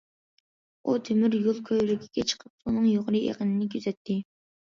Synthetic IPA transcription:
ut̪ʰymyɾjulˠkʲʰøjɾɪkʲʰi̥kʲɛt͡ʃʰə̥qʰəp̚unɨŋjoʁɾɨḛqənɪnɪkʲyzɛt̪ʰːɪ

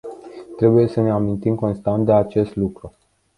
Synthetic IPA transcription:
t̪ɾe̞buje̞səne̞amint̪imko̞nst̪ant̪d̪e̞at͡ʃe̞st̪lukɾu

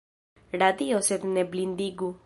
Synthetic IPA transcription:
ɽad̪ioset̪neblind̪iɡu

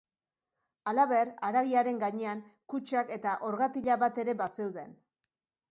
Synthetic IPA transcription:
alaβe̞raɾaɣiaɾe̞ŋɡaɲe̞aŋkut͡ʃake̞t̪aʔo̞ɾɣat̪iʎaβat̪e̞ɾe̞base̞wðe̞n

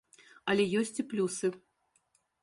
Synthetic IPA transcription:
ɐlʲɛjɔsʲt͡sʲiplʲusɨ

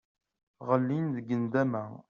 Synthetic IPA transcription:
ʁəlːinðəɡːənd̪æmæ

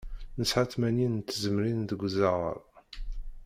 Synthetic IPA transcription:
nəsħaθmæninnt̪ːzəmɾind̪əɡʷːzaʁə̰ɾˤ

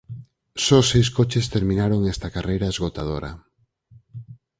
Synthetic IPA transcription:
sɔsejs̬kot͡ʃest̪eɾmĩnaɾoŋest̪akarejɾaezɣot̪að̞oɾɐ̰

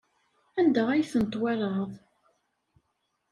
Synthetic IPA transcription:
ænd̪æʁæjθənt̪ˤːwæɾɑðˤ

